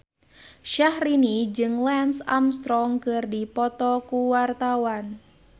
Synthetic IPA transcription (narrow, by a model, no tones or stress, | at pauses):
ʃahɾinid͡ʒɨŋlɛnsamst̪ɾɔŋkɨrdipɔt̪ɔkuwart̪awan